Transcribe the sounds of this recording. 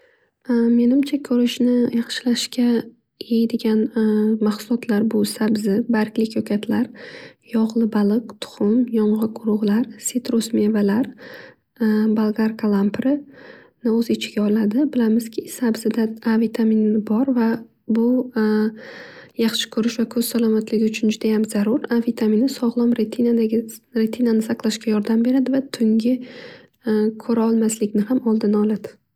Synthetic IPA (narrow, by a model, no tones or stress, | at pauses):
me̞nɪmt͡ʃʰakʲʰɵɾɪʃnɪjɑχʃɪlaʃkʲʰa | ed̪eɡʲanmaχsʊlˠɒt̪ʰlaɾbʊsabzɪbaɾkʲlɪkʲʰɒkʲʰat̪ʰlaɾjɒʁlˠɪbalˠɨqt̪ʰʊ̥χʊmjɒɴʁɨqʊɾʊʁlˠaɾset̪ɾosme̞valaɾ | balˠɡaɾkʰalˠampɾɪ | nɪɵzɪt͡ʃʰɪɡʲaɒlad̪ɪbɪlamɪz̥kʲʰɪsabzɪd̪aavit̪ʰaminɪbɒɾva | bʊ | jɑχʃɪ̥kʰʊɾɪʃvakʰɵz̥salˠɒmat̪ʰlɪɡʲɪʊt͡ʃʰʊnd͡ʒʊd̪ajamzaɾʊɾavit̪ʰaminɪsɒʁlˠɒmɾet̪ʰinad̪aɾet̪ʰinanɪsaqlˠaʃkʲajɒɾd̪ambe̞ɾad̪ɪvat̪ʰʊŋɡʲɪ | kʰɵɾaɒlˠmaslɪkʲnɪhamɒlˠd̪ɪnɒlad̪̥ɪ̥